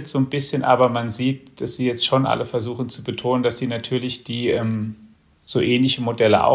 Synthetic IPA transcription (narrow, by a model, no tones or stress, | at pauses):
tz̥oːnbɪsçənʔa̰ːbɐmanziːt̚d̥asz̥iːjɛt͡stʃonʔa̰ləfɛɐzuːxn̩t͡subətʰoːnəndasz̥iːnatʰyːɐlɪçd̥iːʔɛːm | z̥oːʔɛːnlɪçəmodɛlə̰ʔa̰